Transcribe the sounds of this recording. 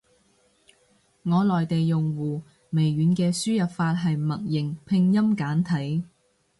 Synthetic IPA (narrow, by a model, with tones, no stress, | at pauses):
ŋɔː˨˧lɔː˨jt̪e˨jːʊ˨˩ŋwuː˨˩ | me˨˩jɥyː˨˧nkɛː˧syː˥jɐ˨˩p̚faː˧t̚ɦɐ˨jmɐ˨˩t̚jɪ˨˩ŋpʰɪ˧ŋjɐ˥mkaː˨˥nt̪ʰɐ˨˥j